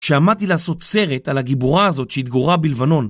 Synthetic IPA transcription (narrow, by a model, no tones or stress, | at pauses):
ʃeamad̚t̪ilaːso̞t̪se̞ʁetalaɡibuʁaːzo̞tʃeit̪̚ɡoʁabilvano̞n